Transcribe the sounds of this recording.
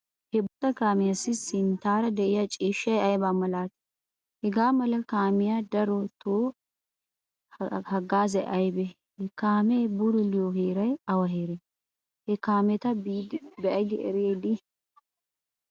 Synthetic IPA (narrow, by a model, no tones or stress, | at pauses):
hɛbʊt̪ʼɐkaːmɪjɐsɪsɪnt̪aːɾɐd̪ɛʔɪjɐt͡ʃʼiːʃɐjɐjbaːmɐlaːt̪ | hɛɡaːmɐlɐkaːmɪjad̪ɐɾɔt̪ʰoː | hɐɡaːzɛʔɐjbɛ | hɛkaːmɛbʊd̪ʊlɪjoɦeːɾɐjɐwɐɦeːɾɛ | hɛkaːmɛt̪ɐd̪bɛɐjd̪ɪʔɛ̰ɾɪeːd̪ɪ